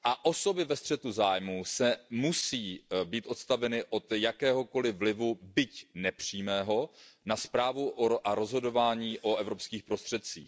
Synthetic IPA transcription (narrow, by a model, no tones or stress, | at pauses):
ʔaʔo̞so̞bɪvɛst̪r̥ɛt̪uzaːjmusɛmusiːbiːt̪ʔo̞t̪st̪avɛnɪʔo̞t̪jakɛːɦo̞ko̞lɪvlɪvubɪcnɛpr̝̥iːmɛːɦo̞naspɾaːvuʔʔaɾo̞zɦo̞do̞vaːɲiːʔo̞ɛvɾo̞pskiːxpɾo̞st̪r̥ɛt̪̚t͡sḭːx